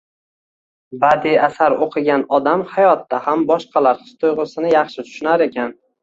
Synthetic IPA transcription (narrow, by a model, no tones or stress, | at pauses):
bad̪iasaɾoqʰɨɡʲanɒd̪amhajɒt̪ːahambɒʃqʰɑlaɾχɨ̥st̪ʰʊjʁɨsɪnɪjɑχʃɪt̪ʰʊ̥ʃʊnaɾe̞kʲʰan